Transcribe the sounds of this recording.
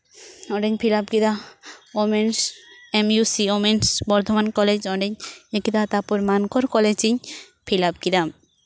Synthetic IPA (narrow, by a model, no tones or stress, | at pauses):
ɔɖeɲpʰilapɡid̪aomensemjusiomensbɔɾt̪ʰomankɔled͡ʑɔɖeɲekid̪at̪apuɾmankoɾkɔled͡ʑiɲ | pʰilap̚ɡid̪am